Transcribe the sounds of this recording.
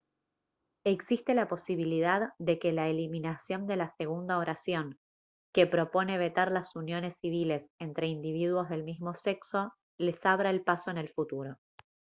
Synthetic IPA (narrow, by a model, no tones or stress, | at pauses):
e̞ksist̪e̞lapo̞siβ̞ilið̞aððe̞kelaeliminasjo̞nd̪e̞lase̞ɣ̞und̪aoɾʔasjo̞ŋ | kepɾo̞po̞ne̞β̞e̞t̪aɾlasunjo̞ne̞sːiβ̞ile̞se̞nt̪ɾe̞ind̪iβ̞iðwo̞zðe̞lmizmo̞se̞kso̞ | le̞saβ̞ɾaelpaso̞ene̞lfut̪uɾo̞